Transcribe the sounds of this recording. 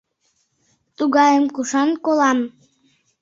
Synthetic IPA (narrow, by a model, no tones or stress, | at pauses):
t̪uɣɑjəmkuʃɑnkolɑm